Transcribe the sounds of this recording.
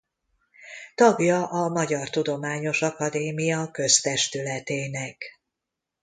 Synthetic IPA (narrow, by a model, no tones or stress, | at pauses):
t̪ɒɡjɒʔɒmɒɟɒrt̪ud̪o̞maːɲo̞ʃɒkɒd̪eːmijɒkø̞st̪ɛʃt̪ylɛt̪eːnɛk